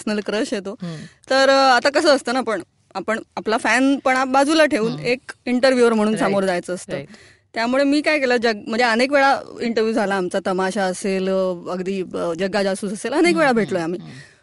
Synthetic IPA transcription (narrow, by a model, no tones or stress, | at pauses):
sənəlkɾəɕjet̪ot̪əɾat̪akəsəːst̪əːnapəɳ | apəɳaplafænpəɳabad͡zuːlaʈʰeʋuːnekiɳʈəɾʋjuːʋəɾm̤əɽ̃uːnsamoɾd͡zajt͡səːst̪əː | t̪jamuɭemiːkajkeləːd͡ʑəɡm̤əɳd͡zeənekʋeɭaiɳʈəɾʋjuːd͡zʱalaːmt͡sat̪əmaɕaəseləɡd̪iːəd͡ʑəɡad͡zast̪uːt͡səselənek̬ʋeɭabʱeʈlojamiː